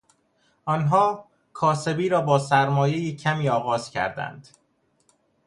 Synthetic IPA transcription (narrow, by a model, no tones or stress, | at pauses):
ʔɒːnɦɒː | kʰɒːse̞biːɾɒːbɒːsæɾmɒːjejicʰæmiːɒːɣɒːz̥cʰæ̰ɾd̪æ̰nd̪̥